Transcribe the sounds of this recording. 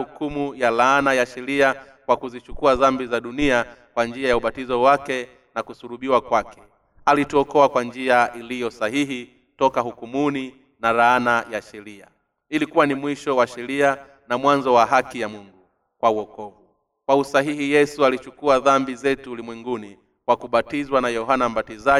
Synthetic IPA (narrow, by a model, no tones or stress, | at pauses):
hukumujalaanajaʃɛɾia | kwakuzit͡ʃukuaðambizaɗuniakwand͡ʒiajauɓatizɔwakɛ | nakusuɾuɓiwakwakɛ̥ | alituɔkɔakwand͡ʒiaʔilijɔsahiɦi | tɔkahukumuni | naɾaanajaʃɛɾia̰ | ilikuwanimwiʃɔwaʃɛɾia | namwanzɔwaɦakijamuŋɡu | kwauɔkɔvu | kwausaɦihijɛsualit͡ʃukuaðambizɛtuːlimwɛŋɡuni | kwakuɓatizwanajɔɦanam̩ɓatiza